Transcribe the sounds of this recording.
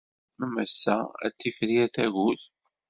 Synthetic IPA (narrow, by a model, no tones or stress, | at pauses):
əmæsːææ̰t͡sːifɾiæθæʝuθ